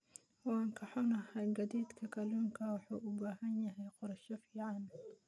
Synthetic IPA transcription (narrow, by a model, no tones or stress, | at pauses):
wɑːŋkʰɐħɔnɐɦɐjɡɐd̪iːd̪kʰɐkʰɐluːŋkʰɐwɑħuːʔʊbaːɦɐnjɐɦɛjqʊɾɐʃɔfiːʕɑn